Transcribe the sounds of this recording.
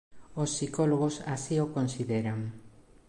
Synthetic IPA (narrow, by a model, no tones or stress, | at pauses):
osːikoloɣ̞osasiokonsiðeɾaŋ